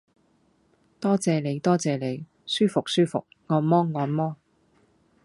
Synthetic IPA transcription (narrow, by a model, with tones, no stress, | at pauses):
t̪ɔː˥t͡sɛː˨˧le˨˧jt̪ɔː˥t͡sɛː˨˧le˨˧j | syː˥fʊ˨k̚syː˥fʊ̰˨k̚ŋɔː˧nmɔː˥ŋɔː˧nmɔː˥